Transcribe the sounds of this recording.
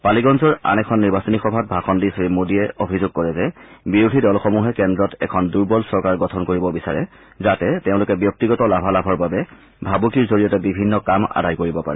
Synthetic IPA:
paliɡɔnzɔɹa̰nɛkʰɔnːiɹbasonixɔbʱat̚bʱaxɔndisoimodiɛʔobʱizoɡ̚kɔɹɛzɛbiɹudʱidɔlxomuɦɛkɛndɹɔtɛ̰kʰɔnduɹbɔlsɔɹkaɹɡɔtʰɔnkoɹibɔbisa̰ɹɛ̰ | zatɛteʊ̃lʊkɛbjɔk̚tiɡɔtɔlabʱalabʱɔɹbabɛ | bʱabukiɹzoɹijɔtɛbibʱinːɔkama̰dʱajkoɹibɔpa̰ɹɛ

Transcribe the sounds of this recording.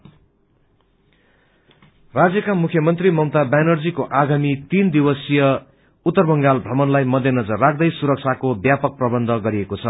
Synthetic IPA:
rad͡zjʌkamukʰjʌmʌnt̪rimʌmt̪abanʌrd͡zikoʔaɡamit̪ind̪iwʌsijʌ | ut̪ːʌrbʌŋɡalbʱrʌmʌnlajmʌd̪ʱjʌnʌd͡zʌrːak̚ʰd̪ʌjsuɾʌk̚t͡sʰakobjapʌk̚prʌbʌnd̪ʱʌɡʌɾiekot͡sʰʌ

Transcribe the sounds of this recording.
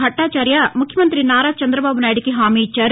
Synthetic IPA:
ɐʈːaːt͡ʃaːɾjɐmukʰjɐmɐnt̪ɾinaːɾaːt͡ʃɐnd̪ɾɐbaːbunaːjiɽikiɦaːmiːt͡ʃaːɾ

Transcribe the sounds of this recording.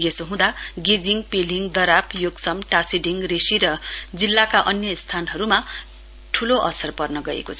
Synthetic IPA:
jesoɦũd̪aɡid͡ziŋɡpiliŋd̪ʌɾapjoɡsʌmʈasiɖiŋɡresiɾʌd͡zilːakaʔʌnjʌst̪ʰanɦʌɾuma | ʈʰuloʔʌ̰sʌrpʌrnʌɡʌḛkot͡sʰʌ

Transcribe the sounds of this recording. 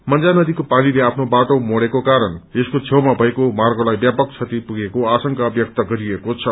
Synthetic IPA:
mʌnd͡zanʌd̪ikopanileapʰnobaʈomoɽekokaɾʌneskot͡sʰewmabʱʌekomarɡolajbjapʌkt͡sʰʌt̪ipuɡekoasʌŋkabjʌk̚t̪ʌɡʌɾiekot͡sʰʌ

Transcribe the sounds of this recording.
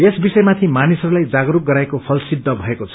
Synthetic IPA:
esbisʌjmat̪ʰimanisʌɾulajd͡zaɡɾuk̚ɡʌɾaekopʰʌlsid̪ʱːʌbʱʌekot͡sʰʌ

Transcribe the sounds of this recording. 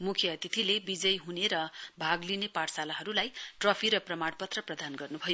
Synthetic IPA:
mukʰjʌt̪it̪ʰilebid͡zʌjɦuneɾʌbʱaɡlinepaɽsalaɦʌɾulajʈrʌpʰiɾʌprʌmaɽpʌt̪rʌprʌd̪ʱanɡʌrnubʱʌjo

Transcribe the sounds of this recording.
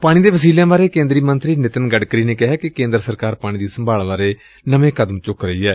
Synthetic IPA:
paːɽ̃ĩːd̪eːʋəsiːlãːbaːɾeːkẽːnd̪ɾiːmənt̪ɾiːnɪt̪ənɡəɖkɾiːneːkɪɦaːkɪkẽːnd̪əɾsəɾkaːɾpaːɽ̃ĩːd̪iːsəmbʱaːlbaːɾeː | nəʋẽːkəd̪əmt͡ʃʊkɾəiːɛː

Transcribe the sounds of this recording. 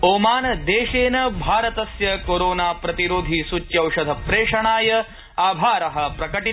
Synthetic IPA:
oːmaːnɐd̪eːʃeːnɐbʱaːɾɐt̪ɐsjɐkoːɾoːnaːpɾɐt̪iɾoːd̪ʱisut͡ʃjɐwʂɐd̪ʱɐpɾeːʂɐɳaːjɐ | aːbʱaːɾɐɦɐ̆pɾɐkɐʈi

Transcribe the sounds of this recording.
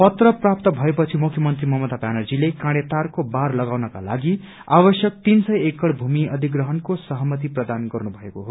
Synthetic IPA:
pʌt̪rʌprap̚t̪ʌbʱʌepʌt͡sʰimukʰjʌmʌnt̪rimʌmot̪ad̪ʱanʌrd͡zilekãɽet̪arkobarlʌɡawnʌka̰la̰ɡi | abʌsjʌk̚t̪insʌjekːʌɽbʱumiʌd̪ʱiɡrʌɦʌnkosʌɦʌmʌt̪iprʌd̪anɡʌrnubʱʌekoɦo

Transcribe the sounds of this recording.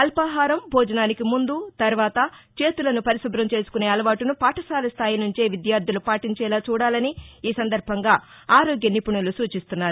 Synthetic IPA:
ɐlpaɦaːɾɐmbʱɔːd͡ʒɐnaːnikimund̪ut̪ɐɾʋaːt̪ɐt͡ʃe̞ːt̪ulɐnupɐɾisɐbɾɐmt͡ʃe̞ːsu̥kune̞ːɐlɐʋaːʈunupaːʈɐsaːlɐst̪ʰaːjinuɲt͡ʃeːʋid̪jaːɾd̪ʱulupaːʈiɲt͡ʃɛːlaːt͡ʃuːɽaːlɐniiːsɐnd̪ɐɾbʱɐŋɡaː | aːɾɔːɡjɐnipuɳulusuːt͡ʃist̪unːaːɾu

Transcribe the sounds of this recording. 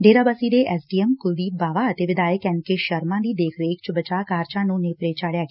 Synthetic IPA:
ɖeːɾaːbəsiːd̪eːʔɛsɖiːɛmkʊd̪iːbaːʋaːət̪eːʋɪd̪aːəkɛ̃nkeʃəɾmãːd̪iːd̪eːkʰɾeːkʰt͡ʃəbət͡ʃaːkaːɾt͡ʃãːnũːneːpəɾeːt͡ʃaːɽjaːɡː

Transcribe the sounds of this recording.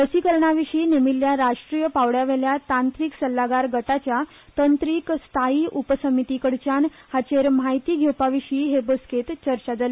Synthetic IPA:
əsiːkəɾɳaʋiɕiːnemilːjaɾaʂʈɾijəpaʋɽjaʋeljat̪ãnt̪ɾiːksəlːaɡaɾɡəʈat͡ɕja | t̪ənt̪ɾiːkst̪ʰaiːupəsəmit̪ikəɽt͡ɕan | hat͡ɕeɾmajt̪iːɡʱjewpaʋiʂiːɦebosket̪t͡ɕəɾt͡ɕad͡zale

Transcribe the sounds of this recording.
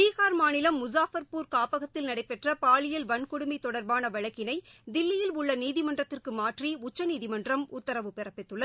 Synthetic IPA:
iːɣaːɾmaːnɪlɐmːʊs̬aːfɐɾpuːɾkaːpɐɣɐt̪ːɪlnɐɽɐɪpːɛʈrɐpaːlɪjɪlʋɐnkʊɽʊmit̪ɔɽɐɾbaːnɐʋɐɻɐkːɪnɐɪd̪ɪlːɪjɪlʊɭːɐniːðɪmɐndrɐt̪ːɪrkɯmaːʈriʊt͡ʃːɐniːðɪmɐndrɐmʊt̪ːɐɾɐʋɯpɛrɐpːɪt̪ːɯɭːɐ

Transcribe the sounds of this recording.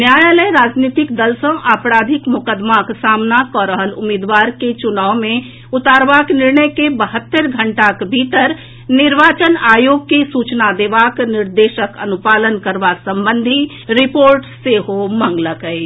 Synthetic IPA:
njaːjaləjɾaːd͡ʒniːt̪ɪkd̪əlsə̃ʔaːpɾaːd̪ʱɪkmʊkəd̪maksaːmnakɔɾəɦəlʊmɪd̪ʋaːɾket͡ʃʊnaːʊmẽ | ʊt̪aːɾʋaːknɪɾnəjkebəɦət̪ːəɾɡʱəɳʈakbʱiːt̪əɾ | nɪɾʋaːt͡ʃənaːjoːɡ̚kesuːt͡ʃnad̪eːʋaːknɪɾd̪eːʃəkənʊpaːlənkəɾʋasə̃mbənd̪ʱi | ɾɪpoːɾʈseɦomə̃ŋɡləkəi

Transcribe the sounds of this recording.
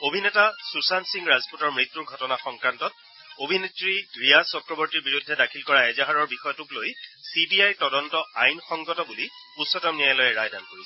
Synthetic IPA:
obʱinɛtasusansiŋɡɹazpotɔɹmɹit̪ːuɹɡʱɔtɔnaxɔŋkɹantɔt̚ | obʱinetɹiɡɹijasɔkɹɔbɔɹtiɹbiɹudʱːɛdakʰilkɔɹaɛzaɦaɹɔɹbixɔjɔtuklojsibiajtɔdɔntɔajnxɔŋɡɔtɔbuli | usːɔtɔmnijajlɔjɛɹajdantu

